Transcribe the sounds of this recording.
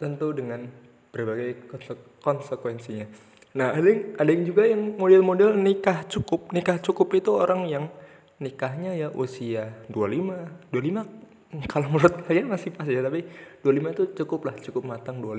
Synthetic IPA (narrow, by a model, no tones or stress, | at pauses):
t̪ənt̪udəŋan | b̥ərbaɡajk | kɔnsəkwɛnsiɲa | nahadaŋadaɪŋd͡ʒuɡajaŋmodɛlmodɛlnikaht͡ʃukʊp̚nikaht͡ʃukʊpit̪uoɾaŋjaŋ | nikaɦɲajaʔusiadualimadualima | kaloməɾʊt̪̚aiamasɪhpas̬at̪apid̥ualimait̪ut͡ʃukʊplaht͡ʃukʊp̚mat̪aŋdual